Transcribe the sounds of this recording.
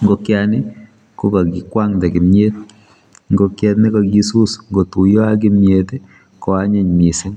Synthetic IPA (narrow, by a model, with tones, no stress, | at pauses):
ŋɡo˧kjanɪ˦ | ko˦ka˨ki˨kwa˦ŋdɛ˨kɪ˨mje˦t̪̚ | ŋɡo˨˧kjɛ˦tnɪ˦ka˨ki˦su˦sŋɡo˨tu˨jɔ˦a˦k̬ɪ˦mje˨te˦ | kɔ˨a˦ɲe˨ɲmi˨sɪ˦n